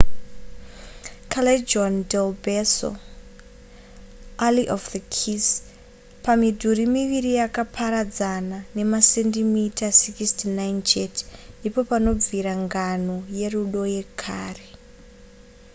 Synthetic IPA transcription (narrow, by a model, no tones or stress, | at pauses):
kʰaled͡ʒondelbeso̰ | aliʔofðəkʰis | pamidʱuɾimiʋiɾijakapʰaɾad͡zanane̞masendimitasikistnajnd͡ʒetndipo̞pano̞b͡viɾaŋɡanoje̞ruɗo̞je̞kʰaːre